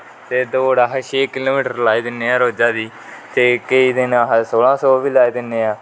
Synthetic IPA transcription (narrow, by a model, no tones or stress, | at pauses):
t̪eːd̪oːɽaːɦaʃeːkɪloːmiːʈəɾlaːiːd̪ɪneːãːɾoːd͡ʒaːd̪iː | t̪eːkəiːd̪ɪnaɦsoːlãːsɔːʋiːlaːiːd̪ɪnːeːaː